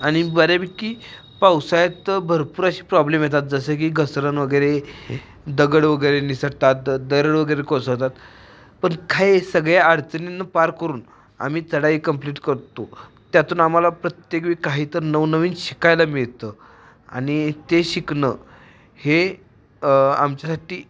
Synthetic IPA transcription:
aɽ̃ibəɾabiːkiː | pawsajat̪bʱəɾpuːɾaɕiːpɾɔblemjet̪at̪̚d͡zəsek̬iːɡəsɾənʋəɡəjɾe | d̪əɡəɽʋəɡəjɾenisəɽt̪at̪d̪əɾəɽʋəɡəjɾekosɦt̪at̪ | pəɳkʰajsəɡɭjaəɽt͡səninːəpaɾkəɾuːn | a̰miːt͡səɽaiːkəmpliʈkəɾt̪o | t̪jat̪uːnamalapɾət̪jekʋiːkaɦiːt̪əɾnəʋnəʋiːnɕi̥kajlamiɭt̪ə | a̰ɽ̃it̪eɕiknə | he | a̰mt͡ɕjasaʈiː

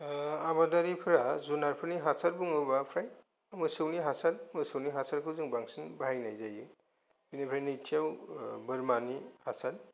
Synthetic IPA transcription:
abadaɾipʰɯɾazunaɾpʰɯɾniɦasʰaɾbuŋɯbapʰɾaj | mɯsɯwniɦasalmɯsɯwniɦasaɾkʰɯzɯŋbaŋsɯnbajnajzajɯ | binipʰɾajnitʰijawbɯɾmanihasal

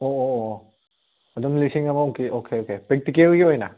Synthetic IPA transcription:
oo | ɐdumlisiŋɐmɐɔkiʔokʰeokepɾek̚tikelɡiojna̰

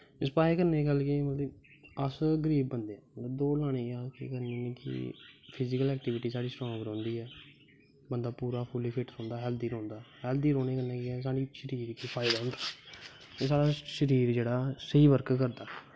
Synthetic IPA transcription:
ɪspaːeːkəɾneːkəlkeːmət̪lə | əsɡəɾiːbːənd̪eːãːmət̪ləbd̪oːlaːɽ̃eːaːskḛːkəɾneoneːkɪ̰pʰɪzɪkəlɛːkʈɪːʋɪʈiːsaːɽiːsɾãːbəɾõːnd̪iːɦɛː | bənd̪aːpuːɾaːpʰʊliːpʰɪʈsõːnd̪aːɦɛːld̪iːɾɔ̃ːnd̪aːɦɛːld̪iːɾõːneːkəɾnɛ̃ːkɪɛs̬aːɽiːʃəɾiːɾkiːpʰaːɪd̪aːɦʊ̃nd̪aː | eːsaːɽaːʃəɾiːɾd͡ʒeːɽaːsəiːʋəɾkkəɾd̪aː

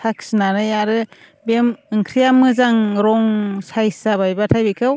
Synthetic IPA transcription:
tʰaksnanɯjaɾɯ | bemɯŋkʰɾijamɯzaŋɾɔŋsajsaβajbatʰajbikʰɯw

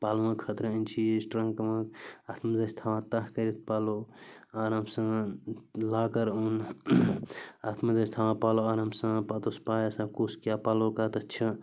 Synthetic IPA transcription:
palmɐ̃kʰət̪ɾəənt͡ʃʰisʈɾə̃ŋkməkat̪məd̪ɐst̪ʰawãt̪aɦkəɾit̪̚ʰpaloaɾɐmsɐ̃ | lakəɾun | at̪mɐd̪əst̪ʰawãpaloaɾɦəmsə̃pat̪ospajsãkuskjapalokat̪ɐt͡ʃʰɐ

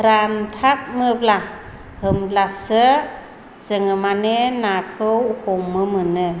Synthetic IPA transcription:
ɾantʰak̚mɯbla | hɯmblasə | səŋɯmanenakʰɯwhomːɯmɯnɯ

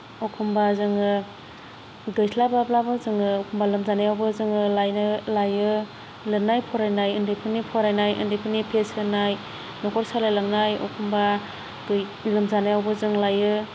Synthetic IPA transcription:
ɔkʰumbazɯŋɯ | ɡɯjsʰlabablabɯzɯŋɯɔkʰɔmbalɯmzanajawbɯzɯŋɯlajnɯlajɯ | lɯnajpʰɔɾajnajɯndɯjpʰɯnipʰɔɾajnajʔɯ̰ndipʰɯnipʰesɯnaj | nɔkʰɔɾsalajlaŋnajɔ̰kʰumba | ɡ | lɯmzanajawbɯzɯŋlajɯ

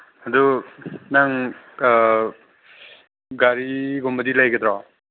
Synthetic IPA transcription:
ad̪unaŋ | ɡaɾiɡɔmbɐdilajɡɯd̪ɾɔ

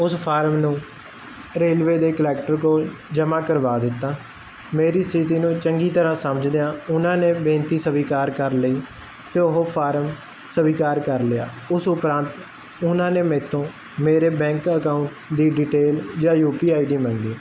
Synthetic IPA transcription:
ʊspʰaːɾmnũː | ɾeːlʋeːd̪eːkəlɛːkʈəɾkoːld͡ʒəmãːkəɾʋaːd̪ɪt̪ːaː | meːɾiːsɪt̪iːnũːt͡ʃəŋɡiːt̪əɾãːsəməd͡ʒd̪eãːʊnãːneːbẽːnt̪iːsəbiːkaːɾkəɾləiː | t̪eːʊɦoːpʰaːɾəm | səbiːkaːɾkəɾlɪa̰ː | ʊsʊpɾãːnt̪ | ʊnãːneːmɛ̃ːt̪ʰõː | meːɾeːbɛ̃ːŋkəkaːʊɳʈd̪iːɖiːʈeːld͡ʒãːjuːpiːaːiɖiːmə̃ŋɡiː

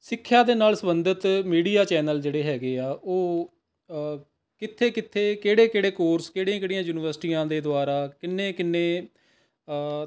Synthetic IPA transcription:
sɪkʰːjaːd̪eːnaːlsəbənd̪ət̪miːɽiːaːt͡ʃɛːnəld͡ʒeːɽeːɦɛːɡeːaːʔoː | kɪt̪ʰːeːkɪt̪ʰːeːkeːɽeːkeːɽeːkoːɾskeːɽiãːkeːɽijãːjuːnɪʋəɾsʈiːãːd̪eːd̪ʊaːɾaːkɪnːeːkɪnːeː

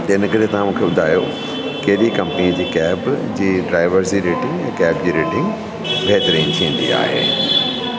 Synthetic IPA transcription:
d͡ʑɪnə̆kɐɾet̪ɐʋãmũːkʰeɓʊd̪ʱaːjo̰ | kɐɦɪɗikɐ̃mpnĩd͡ʑiːkɛːbd͡ʑiːɖɾaːɪʋəɾziːɾeːʈɪ̃ŋɡɛ̃ːkɛːbd͡ʑiːɾeːʈɪ̃ŋɡ | bʱɛɦt̪əɾĩːnt̪ʰĩə̃n̆d̪ḭa̰ːɦḛː

